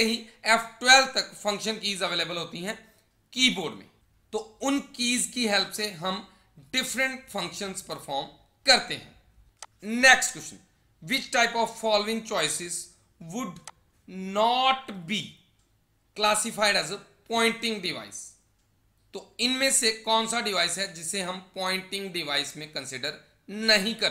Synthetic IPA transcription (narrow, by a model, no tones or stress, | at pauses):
eɦiɛfʈwɛlʋt̪ɐkfɐ̃ŋkʃənkiːzɐʋeːleːbəlɦoːt̪iɦɛ̃ | kiːboːɾɖmḛ̃ | t̪oːʊnkiːzkiɦɛlpseɦɐ̃m | ɖɪfɾə̃ɳʈfɐ̃ŋkʃə̃nzpəɾfʰɔːɾm | kɐɾt̪eɦɛ̰̃ː | nɛksʈkɪʃə̰̃n | ʋɪt͡ʃʈaɪpɔːʋːɔːloːɪ̃ŋɡ̚t͡ʃɔːɪsɪz | ʋʊɖ | nɔːʈbiː | klaːsɪfaːɪɖɛːzəpɔ̃ːɪ̃ɳʈɪ̃ŋɡɖɪʋa̰ːɪs | t̪oːɪnmẽsekɔːnsaɖɪʋaːɪsɦɛd͡ʒɪsːeɦɐ̃mpɔːɪ̃ɳʈɪ̃ŋɡɖɪʋaːɪsmẽkɐ̃nsɪɖəɾ | nɐɦĩkɐɾ